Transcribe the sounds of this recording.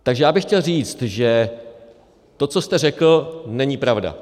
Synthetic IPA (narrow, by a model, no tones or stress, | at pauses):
t̪aɡʒɛjaːbɪxcɛlriːt͡st̪ʒɛ | t̪o̞t͡so̞st̪ɛrɛkl̩nɛɲiːpɾavda̰